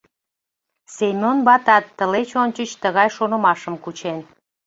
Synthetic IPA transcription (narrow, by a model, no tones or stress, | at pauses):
semʲonbɑt̪ɑt̪ːəlet͡ɕonʲt͡ɕət͡ɕt̪əɣɑjʃonə̆mɑʃəmkut͡ɕen